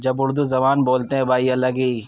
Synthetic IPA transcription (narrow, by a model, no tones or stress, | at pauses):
d͡ʒɐbʊɾd̪uzɐmaːnboːlt̪eɦɛ̃baːiɐlɐɡiː